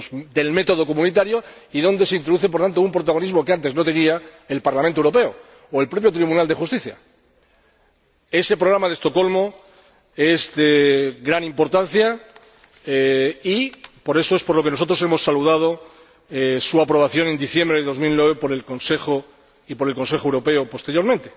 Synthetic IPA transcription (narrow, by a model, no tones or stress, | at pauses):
d̪e̞lme̞t̪oð̞o̞komũnit̪aɾjo̞iðõ̞nd̪e̞seint̪ɾoðuθepo̞ɾt̪ant̪oumpɾot̪aɣ̞o̞nizmo̞keant̪e̞zno̞t̪eniaelpaɾlamẽnt̪oewɾo̞pe̞o | oe̞lpɾo̞pjo̞t̪ɾiβunald̪e̞xust̪iθja̰ | e̞se̞pɾo̞ɣ̞ɾamaðest̪o̞ko̞lmo̞ | e̞zðeɣɾanĩmpo̞ɾt̪an̟θja | ipo̞ɾe̞so̞e̞spoɾlo̞kenoo̞t̪ɾo̞semo̞sːaluð̞að̞o̞ | suapɾoβaθjo̞nẽ̞nd̪iθje̞mbɾeðeðo̞zmilnwe̞βe̞po̞ɾe̞lko̞nse̞xo | ipo̞ɾe̞lko̞nse̞xoewɾo̞pe̞opo̞st̪eɾjo̞ɾmẽnt̪e̞